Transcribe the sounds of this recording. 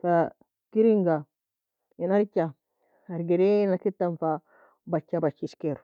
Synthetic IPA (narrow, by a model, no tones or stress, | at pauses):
fa | kiɾiŋɡa | inaɾka | aɾɡeɾenakitːanfa | bat͡ʃːabat͡ʃːiskeɾ